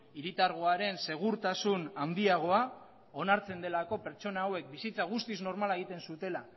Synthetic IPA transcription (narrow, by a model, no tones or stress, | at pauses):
iɾit̪aɾɣ̞o̞aɾe̞nse̞ɣ̞uɾt̪asunand̪iaɣ̞o̞a | o̞naɾt͡se̞nd̪e̞lako̞pe̞ɾt͡so̞naːwe̞k̚bisit͡saɣ̞ust̪izno̞ɾmalaeɣ̞it̪e̞nsut̪e̞la